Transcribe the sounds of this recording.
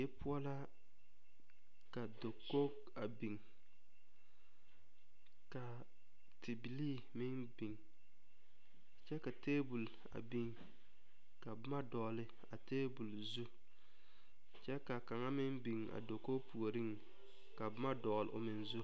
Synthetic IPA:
e˦pʰʊ˦ɔ˦la˦ | ka˨do˨kːo˦ | a˨bi˨ŋ | ka˨ | tʰɪ˨bi˨liː˦ | mɪ˦n | bi˨ŋ | t͡ʃɛ˦ka˨teː˦bu˨l | a̰˨bi˦ŋ | ka˨bma˦dɔ˨lɪ˨ | a˨teː˦bu˨lzu˦ | t͡ʃɛ˦ka˨ka˨ŋa˦mɪ˦nbi˨ŋa̰˨do˨ko˦pu˨o˨ɾɪ˦ŋ | ka˨bma˦dɔː˨lʊ̰˨mɪ˨nzu˦

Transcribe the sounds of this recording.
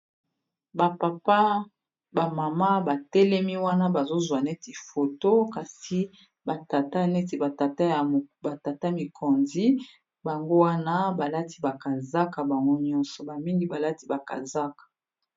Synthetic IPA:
ba˨pa˨pa˦ | ba˨ma˨ma˦ba˨tɛ˦lɛ˦mi˦wa˦na˦ba˨zo˦zwa˨nɛ˦ti˨fo˨to˦ka˨si˦ | ba˨ta˨ta˦nɛ˦ti˨ba˨ta˨ta˦ja˨ba˨ta˨ta˦mi˨kʰɔ˨nzi˦ | ba˨ŋɡo˦wa˦na˦ba˨la˦ti̥˦ba˨ka˨za˦ka˨ba˨ŋɡo˦ɲɔ˦nsɔ˨ba˨mi˦ŋɡi˦ba˨la˦ti˦ba˨ka̰˨za˦kḁ˨

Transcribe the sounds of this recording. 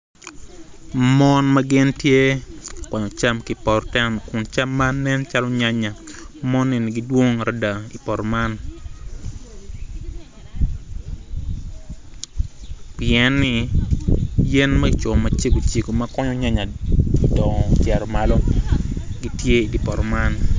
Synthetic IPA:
mɔ˦nma˦ɡɪ˦ntje˦kɔ˨ɲɔ˨t͡ʃa˦mki˨pɔ˨ɾtɛ˦mkʊ˨nt͡ʃa˦mːa˦nːɛ˦nt͡ʃa˦lɔ˦ɲa˦ɲa˨ | mɔ˦nːɪ˨nɪ˨ɡi˦dwo˦ŋ˨ɾa˦da˨i˨pɔ˨ɾma˦n | piɛ˨nːɪ˨ | je˦nma˦i˨t͡ʃɔ˨ma˨t͡ʃe˦ko˨t͡ʃi˨ko˨ma˦kɔ˦ɲɔ˦ɲa˦ɲa˨dɔ˨ŋɔ˨t͡ʃɛ˨ɾɔ˨malo˦ | ɡi˦tje˦i˨di˨pɔ˨ɾma˦n

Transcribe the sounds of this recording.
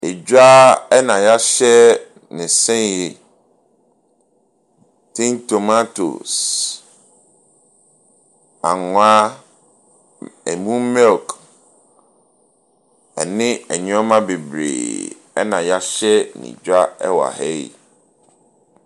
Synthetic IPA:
e˨d͡ʑa˦ɛ˦nã˨ja˦ɕɛ˦ | nɪ̃˨sɛ̃˦nje˨ | tʰɪ̃˦nto˨ma˦to̰˨s | a˨ŋʊ˨a˦ | ɛ̰˨mũ˦mɛ˦˨k | ɛ˨nɪ̃˦ɛ̰˨ɲ˦ɔ˦mã˦be˨bɾḛː˨ | ɛ̰˦nã˨ja˦ɕɛ˦nɪ̰̃˨d͡ʑᶣa˦ɛ˦wa̰˨hɛ˦ḭ˨

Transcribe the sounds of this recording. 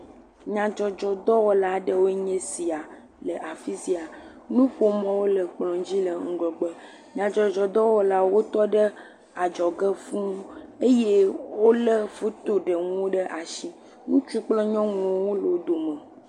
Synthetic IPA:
ɲã˨d͡ʒɔ˨d͡ʒɔ˨d̪ɔ˦wɔ˦la˦ɖə˦wo˦ɲẽ˦si˨a˨ | lə˨ʔa˨fi˦si˦a˨ | nũ˦ɸo˦mɔ̃˦wo˦lə˨k͡plɔ̃˨d͡ʑi˦lə˨ŋ̩˦ɡlɔ˨ɡ͡bə˦ | ɲã˨d͡ʒɔ˨d͡ʒɔ˨d̪ɔ˦wɔ˦la˦wo˦t̪ɔ˦ɖə˦ | a˨d͡ʒɔ˨ɡə˦fũ˦e˦je˦wo˦lə˦fo˦t̪o˦ɖə˨ŋ˦o˦ɖə˦ʔa˨ʃi˦ | nũ˦t͡ʃu˦k͡plɔ̃˦ɲɔ̃˦ŋũ˨˦wo˦lo˨o˦d̪o˨mə˨

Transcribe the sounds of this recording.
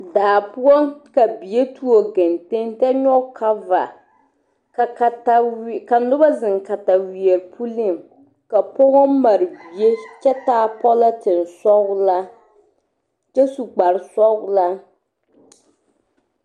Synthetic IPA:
daː˨pʊ˦ɔ˦ŋka˨bi˨je˦tu˦o˨ɡɛ˨nte˦ntɛ˦ɲɔ˦kʰa˦va̰˨ | ka˨ka˨ta˦˨ka˨nʊ˦ba˦zɪ˨ŋka˨ta˨wi˨ɛ˨ɾpʰu˦lɪ˦˨m | ka˨pɔ˦ɣɔ˦ma˨ɾɨ˨bi˨e˦t͡ʃɛ˦taː˦pɔ˦la˦tɪ˨n˨sɔ˦ɣʊ˦la˦ | t͡ʃɛ˦su˨ɡ͡ba˨ɾɪ˨sɔ˦ɡʊ˦la˦

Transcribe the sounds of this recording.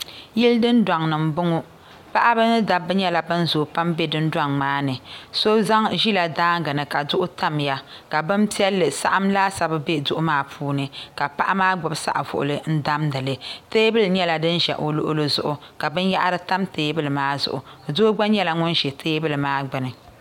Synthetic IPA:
ji˦ldɨ˦ndʷa˨ŋnɨ˨mbʊ˦ŋʊ˦ | pa˦ʔa˦bɨ˦n˦da˨bɨ˦ɲɛ˦la˨bɨ˦n˦zoː˨pa˦mbe˦dɨ˦ndwa˦ŋmaː˦nɨ˨so˦za˦ŋʒi˦la˨daː˦ŋɡɨ˨nɨ˨ka˨dʊ˦ʔʊ˦ta˦mja˨ | ka˨bɨ˦m˦pi˦ɛ˦lːɨ˨sa̰˦ʔa˦mlaː˦sa˨bɨ˦be˦dʊ˦ʔʊ˦maː˦pʰuː˦nɨ˨ka˨pa˦ʔa˦maː˦ɡ͡bʊ˨bsa̰˦ʔa˨vʊ̰˨ʔʊ̰˨lɨ˨n̩˦da˦mdɨ˨lɨ˨teː˦bɨ˦lɨ˨ɲɛ˦la˨dɨ˦nʒɛ̰˨ʔo˨lo̰˦ʔʊ̰˦lɨ˦zʊ̰˨ʔʊ˨ | ka˨bɨ˦n˦ja̰˦ʔa˦ɾɨ˦ta˦mteː˦bɨ˦lɨ˨maː˦zʊ̰˨ʔʊ˨doː˦ɡ͡ba˦ɲɛ˦la˦ŋʊ˦nʒɛ˨tʰeː˦bɨ˦lɨ˨maː˦ɡ͡bɨ˨nɨ˨

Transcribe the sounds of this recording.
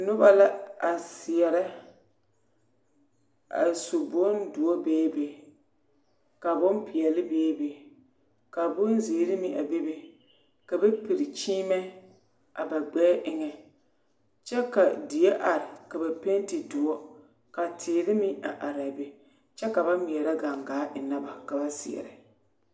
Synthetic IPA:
nʊ˦ba˦la˦a˨sɪ˨ɛ˨ɾɛ˦ | a̰˨so˨bo˦ndʊ˨ɔ˦beː˦be˨ | ka˨bʊ˦npɪ˨ɛ˨lɪ˦beː˦be˨ | ka˨bʊ˦n˦ziː˨˦ɾɪ˦mɪ˦ʔa̰˨be˦be˨ | ka˨bɛ˦pi˨ɾɪ˨t͡ʃiː˦mɛ˦ | ʔa̰˨ba˨ɡ͡bɛː˦ʔɪ˦ŋɛ˨ | t͡ʃɛ˦ka˨dɪ˨e˦ʔa˨ɾɪ˨ka˨ba˨pe˦n˦tɪ˨dʊ˨ɔ˦ | ka˨tʰɪː˨ɾɪ˦mɪ˦ʔa̰˨ʔa˨ɾa˨be˨ | t͡ʃɛ˦ka˨ba˦mɪ˨ɛ˨ɾa˦ɡa˨ŋɡaː˨˦ʔɪ˨na˦ba˨ka˨ba˦sḭ˨ɛ̰˨ɾɪ˨

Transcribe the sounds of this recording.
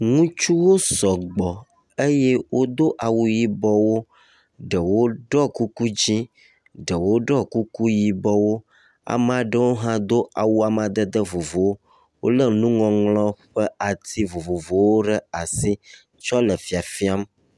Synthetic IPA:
ŋũ˦t͡ʃu˦wo˦sɔ˨ɡ͡bɔ˨ | e˦je˦wo˦d̪o˦ʔa˨wu˦ji˦bɔ˦wo˦ | ɖə˨wo˦ɖɔ˦ku˦ku˦d͡ʑi˦ | ɖə˨wo˦ɖɔ˦ku˦ku˦ji˨bɔ˦wo˦ | a̰˨m˨a˨ɖə˦wo˦ɦã˦d̪o˦ʔa˨wu˦a˨m˨a˨d̪ə˦d̪ə˦vo˨vo˨wo˦ | wo̰˦lə˦nũ˦ŋɔ̃˨ŋlɔ̃˦ɸɛ˦a˨t̪ʰi˦vo˨vo˨vo˨wo˦ɖɛ˦a˨si˦ | t͡ʃɔ˦lə˨fi˨a˨fi˦a˦m

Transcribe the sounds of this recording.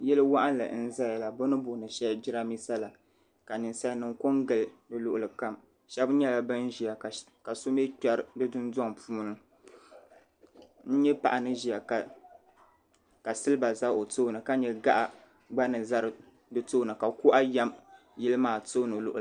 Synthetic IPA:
jɛ˦lɨ˦wa˦ʔa˦n˦lɨ̰˨n̩˦za˦ja˨la˨bo˦nɨ˦bʊ˨nɨ˨ʃɛ˦d͡ʒɪ˦ɾa˦mi˦sa˦la˨ | ka˨nɨ˨nsa˦jnɨ˨ŋko˦ŋɡɨ˨ldɨ˨lʊ˦ʔʊ˨lɨ˨ka˦m | ʃɛ˦bɲɛ˦la˨bɨ˦n˦ʒi˨a˨ | ka˨so˦me˦ta˦ɾdɨ˦dɨ˦ndɔ˦ŋpuː˦nɨ˨ | n̩˦ɲɛ˦pa̰˨ʔa˨nɨ˦ʒi˨a˨k | ka˨sɨ˦lɨ˦ba˨za˦ʔo˨to˦˨nɨ˨ka˦ɲɛ˨ɡa˦ʔa˨ | ɡ͡ba˦nɨ˨za˦ɾɨ˨ | dɨ˦toː˦nɨ˨ka˨kʊ˦ʔa˦ja˦m | ji˦lɨ˦maː˨to˦nɨ˨lʊ̰˦ʔʊ˨

